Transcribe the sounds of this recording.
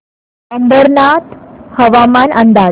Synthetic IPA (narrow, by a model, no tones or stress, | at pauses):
səmbəɾnat̪həʋamanʔənd̪a